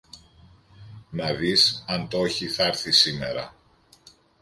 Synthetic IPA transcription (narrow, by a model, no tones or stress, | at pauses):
nɐðisɐnt̪o̞çiθɐɾθisime̞̰ɾɐ̰